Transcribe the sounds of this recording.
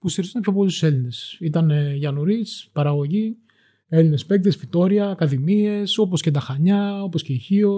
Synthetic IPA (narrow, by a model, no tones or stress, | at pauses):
pusiɾizɐnepço̞p̬o̞list̪u̥se̞line̞sit̪ɐnʝɐnuɾispɐɾɐɣo̞ʝi | e̞line̞spe̞k̚t̪esfit̪o̞ɾiɐːkɐðimie̞so̞posce̞t̪ɐxɐɲɐo̞po̞sceiçio̞